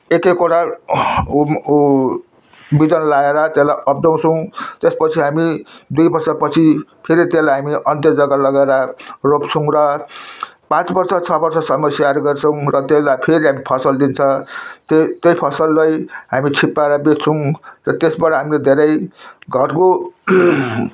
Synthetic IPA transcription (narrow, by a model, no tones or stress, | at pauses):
ekekoɽʰa | bid̪ʌnlaeɾʌt̪elajʔʌp̚ʰdaw̃t͡sʰʌw̃t̪espʌt͡sʰiɦamid̪ujbʌrsʌpʌt͡sʰipʰeɾit̪elajɦamiʔʌnt̪jʌd͡zʌɡalʌɡaeɾʌropt͡sʰʌ̃w̃ɾʌ | pãt͡sbʌrsʌt͡sʰʌbʌrsʌsʌmʌsjaɾoɡʌrt͡sʰʌw̃ɾʌt̪elajpʰeɾiɦamipʰʌsʌld̪int͡sʰʌ̃t̪et̪ʌjpʰʌsʌlːʌjɦamit͡sʰipːaɾʌbet͡sʰʌw̃rʌt̪esbaɽʰʌɦamiled̪ʱeɾʌjɡʱʌrko